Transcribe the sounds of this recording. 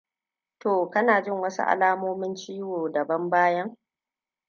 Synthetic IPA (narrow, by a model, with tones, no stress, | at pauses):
toː˨kɐ˦naː˨d͡ʒɪ˦˨ŋwɐ˦sṵ˦ʔa̰˨laː˦moː˦mɪ˦nt͡ʃiː˦woː˨dɐ˨bɐ˦mbaː˦jɐ˦ŋ